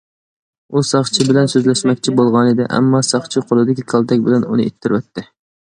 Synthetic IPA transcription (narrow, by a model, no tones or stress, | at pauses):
usɑχt͡ʃʰɪbɪlɛnsøzlɛʃmɛkʲt͡ʃʰibolˠʁɑnɪd̪ɪ̰ʔæ̰mːɑsɑχt͡ʃʰɪqʰolˠɨd̪ɪkʲikʲʰɑlˠt̪ʰɛkʲbɪlɛnunɨʔet̪ʰːɪɾwɛt̪ʰːɪ